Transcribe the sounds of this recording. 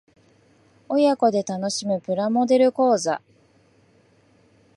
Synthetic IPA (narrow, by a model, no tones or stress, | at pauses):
o̞jako̞d̪e̞t̪ano̞ɕimɯ̟pɯ̟ɾamo̞d̪e̞ɾɯ̟ko̞ːza̰